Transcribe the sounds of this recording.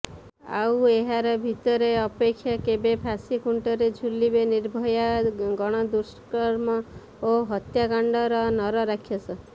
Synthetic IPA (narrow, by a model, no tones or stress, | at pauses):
a̰weɦaɾɔbʱit̪ɔɾeɔpekʰːjakebepʰasikuɳʈɔɾed͡ʒʱulibeniɾbʱɔjaɡɔɽ̃ɔd̪uskɔɾmɔ | oɦɔt̪jakaɳɖɔɾɔnɔɾɔɾakʰjɔsɔ